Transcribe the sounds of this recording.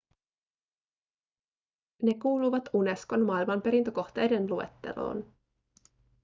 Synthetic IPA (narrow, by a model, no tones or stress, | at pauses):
ne̞kuːlujʋɑt̪une̞sko̞nmɑːilmɑmpe̞ɾint̪øko̞xt̪e̞jdenlue̞t̪ːe̞̰lo̞̰ːn